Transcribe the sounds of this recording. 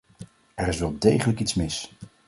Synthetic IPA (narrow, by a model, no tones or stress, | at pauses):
ɛrɪsʋɛlˠdejχələkitsmɪs